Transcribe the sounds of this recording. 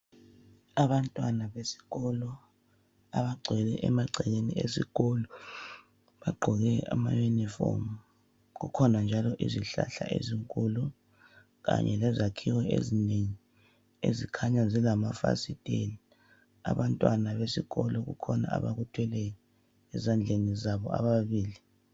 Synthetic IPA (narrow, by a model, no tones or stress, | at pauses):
aβantʼwanaβesi̥ɣɔlɔ | aβaɡ͡ǀʱɛlɛ̰ʔɛmaɡ͡ǀʱɛɣeniesiɣɔlɔ | ɓaɡ͡ǃʱɔɣɛamajunifɔ̰m | ɣukʰɔnand͡ʒʱalɔʔiziɬa̰ɬaʔḛziŋkʼulu | ɣa̰ɲɛlɛzakʰiwɔḛzineŋi | ezikʰaɲazilamafa̰sitʼeli | a̰βantʼwanaβesiɣɔlɔɣṵkʰɔna̰a̰βaɣutʰwɛlɛj | ɛzand͡ɮʱenizaβɔa̰βaβiːli